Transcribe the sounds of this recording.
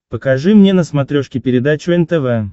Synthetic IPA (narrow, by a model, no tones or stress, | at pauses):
pəkɐʐɨmnʲenəsmɐt̪ɾʲoʂkʲɪpʲɪɾʲɪd̪at͡ɕʊɛnt̪ɛvɛ